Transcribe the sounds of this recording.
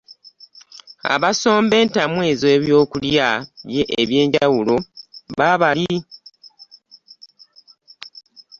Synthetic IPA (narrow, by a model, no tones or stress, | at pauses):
a̰βaso̞ːmbe̞ːntamwe̞ːzoːβjo̞ːkuljaβjeʔːβje̞ːɲɟawulo̞βaβali